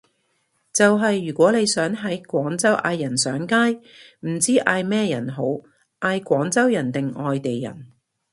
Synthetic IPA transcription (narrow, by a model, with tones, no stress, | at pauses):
t͡sɐ˨wɦɐ˨jːyː˨˩kʷɔː˨˥le˨˧jsœː˨˥ŋɦɐ˨˥jkʷɔː˨˥ŋt͡sɐ˥wʔa̰ː˧jːɐ˨˩nsœː˨˥ŋkaː˥j | m̩˨˩t͡siː˥ʔaː˧jmɛː˥jɐ˨˩nɦo˨˥w | ʔaː˧jkʷɔː˨˥ŋt͡sɐ˥wjɐ˨˩nt̪ɪ˨ŋɔː˨jt̪e˨jːɐ̰˨˩n